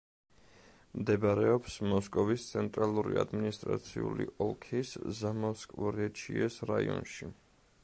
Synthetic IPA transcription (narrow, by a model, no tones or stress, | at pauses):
md̪ɛbɾɛɔpsmɔskʼɔvist̪sʰɛnt̪ʼɾalˠuɾiad̪minist̪ʼɾat̪sʰiuliʔɔlˠkʰiszamaskʼvuɾɛt͡ʃʰiɛsɾaiɔ̰nʃi